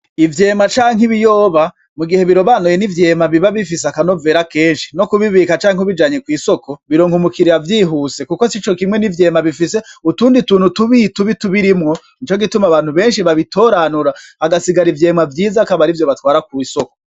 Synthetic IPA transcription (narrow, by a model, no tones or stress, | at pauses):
ivje̞ːmat͡ʃaːŋiβijo̞ːβa | muɡihe̞βiɾo̞βanojenivje̞ːmaβiβaβifis̬eakano̞ve̞ːɾake̞ːnʃi̥no̞kuβiβikat͡ʃaːŋuβid͡ʒaːɲekwiːso̞ko̞βiɾo̞ːŋhumukiɾiavjiːɦuse̞kuko̞sit͡ʃo̞kimŋe̞nivje̞ːmaβifise̞utuːndituːnhutuβituβituβiɾimŋo̞ | nit͡ʃo̞ɡitumaβaːn̥huβe̞ːnʃiβaβito̞ːɾanuɾaːɡasiɡaɾivje̞ːmavjiːzakaβaɾivjo̞βatwaːɾakwiiso̞ko̥